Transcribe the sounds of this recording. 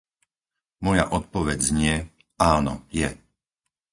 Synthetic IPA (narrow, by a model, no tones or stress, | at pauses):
mɔja̰ʔɔt̪̚pɔʋɛd͡zɲɪɛ | aːnɔ̰jɛ